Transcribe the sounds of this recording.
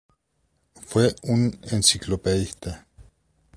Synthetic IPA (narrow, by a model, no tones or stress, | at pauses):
fweunensiklopeðiht̪e